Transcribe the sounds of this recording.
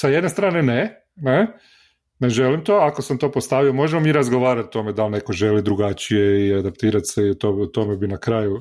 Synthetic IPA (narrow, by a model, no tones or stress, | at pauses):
sajed̪ne̞st̪ɾaːnene | ne | neʒelimt̪o̞ako̞samt̪o̞ːpo̞st̪aʋiomo̞ʒemo̞miːɾazɡo̞ʋaːɾat̪t̪o̞me̞d̪alˠne̞ko̞ʒe̞lid̪ɾuɡat͡ʃije̞iad̪apt̪iːɾat̪seiut̪out̪o̞mebinakɾaːju